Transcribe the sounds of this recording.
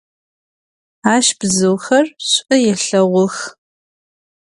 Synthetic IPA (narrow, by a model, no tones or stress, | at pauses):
aːʃb̥zɨwxɐrɕʷʼɐjɛɬɐʁʷʊx